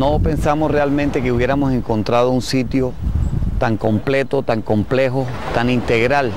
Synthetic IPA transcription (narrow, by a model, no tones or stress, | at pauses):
nope̞nsamosrealmẽnt̪e̞keuβje̞ɾamo̞se̞ŋko̞nt̪ɾað̞ounsit̪jo̞t̪aŋko̞mple̞t̪o̞t̪aŋko̞mple̞xo | t̪anint̪eɣɾal